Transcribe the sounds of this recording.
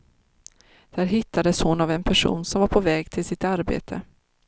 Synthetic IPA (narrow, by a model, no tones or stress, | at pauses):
d̪̥æːɾɦɪt̪ʰːad̪əshʊnavɛnpʰæʂṵːnsɔmvaɾpʰɔvɛːɡt̪ʰɪlsɪt̪aɾbḛːt̪ʰə